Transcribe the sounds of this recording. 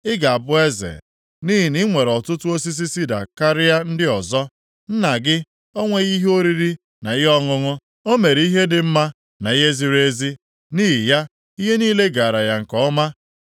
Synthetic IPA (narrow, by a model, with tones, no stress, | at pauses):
ɪ˦ɡa˨a˨bʊ˦e˦zḛ˨ | ni˦ɦi˨ni˦ŋʷe˨ɾɔ˨tʊ˦tʊ˦o˦s̬i˦s̬i˦si˦da̰˨ka˦ɾɪ˦ja˦n̩˦dɪ˦ɔ˨zɔ˦ | n̩˦na˨ɡɪ˦ | o˦ŋʷe˦ɣi˦ɦo˦ɾi˦ɾi˦ | na˨i˦ɦɔ˦ŋʊ˦ŋʊ˦ | o˦me˨ɾi˦ɦe˦dɪ˨m̩˦ma˦ | na˨i˦ɦe˦zi˦ɾe˦zi˦ | niː˦ɦi˨ja˦ | i˦ɦe˦niː˦le˦ɡa˨ɾa˨ja˨ŋ̩˨kɔ˨˦ma˦